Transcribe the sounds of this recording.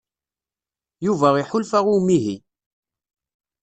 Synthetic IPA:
juvæʁɪħʊlfæʁumiɦi

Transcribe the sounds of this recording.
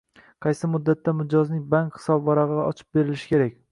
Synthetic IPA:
qʰɑjsɪmʊd̪ːat̪ːamɪd͡ʒɒznɪŋbaŋkχɪ̥sɒbvɒɾaʁɨaɒt͡ʃʰɪ̥p̚be̞ɾɪlɪʃɪ̥kʲʰe̞ɾakʲ

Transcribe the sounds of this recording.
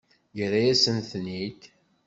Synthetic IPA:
jəɾæjæsənθnit̪

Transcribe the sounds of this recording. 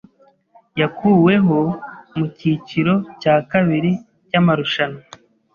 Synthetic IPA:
jakuːwe̞ɦo̞muciciɾo̞caːkaβiɾi | camaɾuʃana

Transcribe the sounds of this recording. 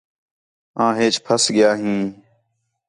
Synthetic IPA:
ãːɦeːt͡ʃpʰəsɠɪjaːɦĩː

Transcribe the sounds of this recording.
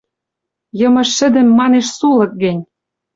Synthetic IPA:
jɤ̆mɤ̆ʃːɘ̆d̪ɘ̆mːɑneʃsulɤ̆k̚ɡɘ̆nʲ

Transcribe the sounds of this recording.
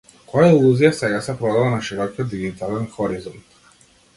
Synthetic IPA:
kɔjailˠuzijasɛɡasɛpɾɔd̪avanaʃiɾɔkijɔd̪̚d̪iɡit̪alɛnxɔɾizɔnt̪

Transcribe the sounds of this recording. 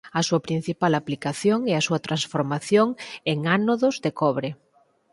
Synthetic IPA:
ɐsuɐpɾin̟θipalaplikaθjoŋeasuɐt̪ɾansfoɾmaθjoŋeŋanoðʊzðekɔβɾe

